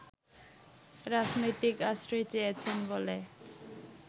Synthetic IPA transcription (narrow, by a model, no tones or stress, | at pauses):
ɾad͡ʑnojt̪ikasɾojt͡ɕeet͡ɕʰenbole